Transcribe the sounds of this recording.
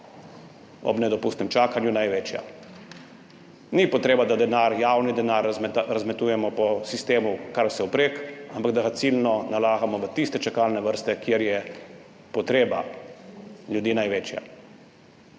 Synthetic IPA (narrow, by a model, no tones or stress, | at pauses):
ɔ̰bnɛd̪ɔpust̪nɛmt͡ʃaːkanjunajʋeːt͡ʃja̰ | nipɔt̪ɾeːbad̪ad̪ɛnaːɾjawnid̪ɛnaɾɾazmɛt̪uːjɛmɔpɔsist̪eːmukaɾwsɛupɾeːkampaɡd̪aɣat̪silnɔnalaːɣamɔʋət̪ist̪ɛt͡ʃakalnɛʋəɾst̪ɛkjeɾjɛ | pɔt̪ɾeːba̰ | ljud̪iːnajʋeːt͡ʃja̰